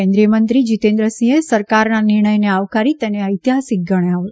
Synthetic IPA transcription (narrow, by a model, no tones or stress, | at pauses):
ɛ̃nd̪ɾijəmənt̪ɾid͡ʒit̪ẽnd̪ɾəsĩesəɾkaɾnanɪɾɳəjneaʋkaɾit̪ɛneəjt̪jasik̚ɡəɽ̃jeaʋ